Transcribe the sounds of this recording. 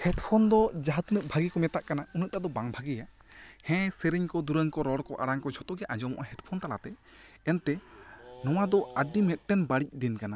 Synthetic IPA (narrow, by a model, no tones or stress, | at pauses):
hɛʈpʰɔnd̪ɔd͡ʒaɦat̪nəʔ̚bʱaɡikɔmɛt̪aʔkanaunəʔ̪̚ad̪ɔbaŋbʱaɡija | hɛ̃səɾiɲkɔd̪uɾəŋkɔɾɔɽkɔʔaɽaŋkɔd͡ʒʱɔt̪ɔɡɛʔad͡ʒɔmɔ̰ʔaɦɛʈpʰɔnt̪ala̰t̪ɛ | ɛnt̪ɛnɔw̃ad̪ɔaɖimɛt̪̚ʈɛnbaɽic̚ɖɛnkana